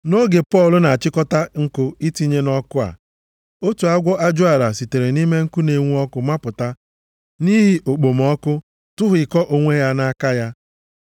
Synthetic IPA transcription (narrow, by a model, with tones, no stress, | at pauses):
no˦ɡe˨pɔ˦˨lʊ˨na˨a˨t͡ʃɪ˦kɔ˦ta˦ŋ̩˦kʊ˦i˦ti˦ɲe˦nɔ˦kʊ˦a̰˨ | o˦tu˨a˦ɡʷɔ˦ʔa˦d͡ʒʊ˦a˨ɾa˨si˨te˨ɾe˨ni˦me˦ŋ̩˦ku˦ne˨ŋʷu˦ɔ˦kʊ˨ma˦pʊ˨ta˦ | ni˦ɦi˦ʔo˨k͡po˨mɔ˦kʊ˦ | tʊ˦ɦʊ˨ɪ˨kɔ˦ʔo˨ŋʷe˦ja˦na˦ka˦ja˦